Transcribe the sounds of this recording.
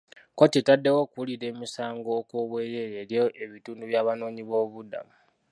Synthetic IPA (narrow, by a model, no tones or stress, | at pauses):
kotitadːewo̞kuliɾe̞ːmisaːŋɡoːkwoβweːje̞jeɾijoʔe̞βituːnduβjaːβano̞ːɲiβo̞ːβuda̰mu